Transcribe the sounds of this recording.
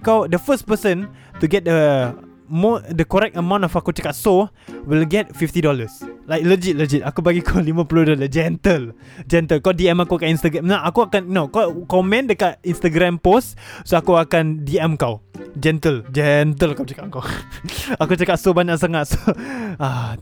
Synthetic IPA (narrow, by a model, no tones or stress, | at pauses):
kawdəfəs̚pəsə̃ntuɡɛt̚də | mdəkɔɾɛk̚təmãw̃ntɔfakut͡ʃakat̚so | wilɡɛt̚fift̪idɔləslaɪjk̚ləd͡ʒit̚ləd͡ʒit̚akubaɡikʰalimə̃puludɔləd͡ʒɛnt̪əl | d͡ʒɛnt̪əlkawdiɛmakuakaninst̪əɡɾamnaʔakuakannokɔkɔmɛ̃ndəkat̚inst̪əɡɾãmpostsoakuakandiɛmkawd͡ʒɛnt̪əld͡ʒɛnt̪əlkawt͡ʃakaʔkaw | akut͡ʃakat̚sobaɲaʔsaŋat̚soa